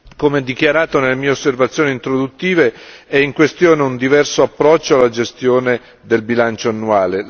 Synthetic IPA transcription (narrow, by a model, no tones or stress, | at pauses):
komeɛd̪ːikjaɾaːt̪onelːemiːeosːervat̪sːjoːnint̪ɾod̪ut̪ːiːveɛiŋkwest̪joːneund̪ivɛrsoapːɾɔt͡ʃːoalːad͡ʒest̪joːne | d̪elbilant͡ʃoanːuaːle